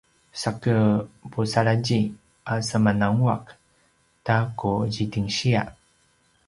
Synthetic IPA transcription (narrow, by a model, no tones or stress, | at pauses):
sakəpusaɾaɟi | ʔasamanaŋuak | takuʑitiŋɕia̰ʔ